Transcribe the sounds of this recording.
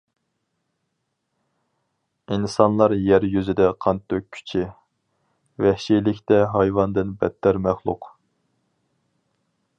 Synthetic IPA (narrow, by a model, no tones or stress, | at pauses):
insɑnlˠɑɾjæɾjyzɪd̪ɛqʰɑnt̪ʰːøkʲʰy̥t͡ʃʰɪ | vɛhʃilɪkʲt̪ɛɦɑjvɑnd̪ɨnbɛ̰t̪ʰːæɾmæχlˠʊ̰q